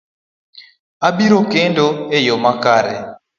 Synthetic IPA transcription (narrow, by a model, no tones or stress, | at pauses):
abiɾokendoejomakaɾɛ̰